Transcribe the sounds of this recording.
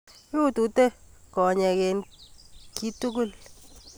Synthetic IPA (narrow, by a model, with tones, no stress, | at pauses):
ju˦tu˨te˦kɔ˨ɲɛ˨ke˨n | ki˦tu˦ku˦l